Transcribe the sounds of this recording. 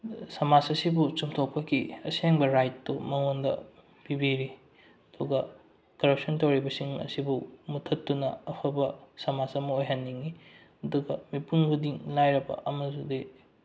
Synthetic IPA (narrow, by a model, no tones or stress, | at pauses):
sɐmasɐsibut͡ʃumtʰok̚pɐkiɐseŋbɐɾajtːumɐŋondɐ̰ | pibiɾi | ɐduɡɐ | kɐɾɐp̚sɐntowɾibɐsiŋɐ̰sibumutʰɐtːunɐɐpʰɐbɐsɐmasɐmɐojɦɐnːiŋi | ɐduɡɐmipuŋbudiŋlajɾɐbɐ̰ʔɐmɐzudi